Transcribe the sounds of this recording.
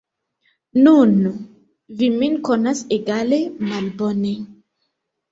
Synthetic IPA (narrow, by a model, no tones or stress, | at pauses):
nun | viminkonaseɡalemalbone